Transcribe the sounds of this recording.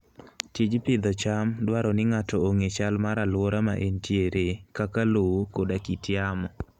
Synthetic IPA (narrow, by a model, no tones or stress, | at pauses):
tid͡ʒpɪd̪ɔt͡ʃamdwaɾɔnɪŋatɔoŋet͡ʃalmaɾalwɔɾama̰ʔentjeɾekakalokodakitɪjamɔ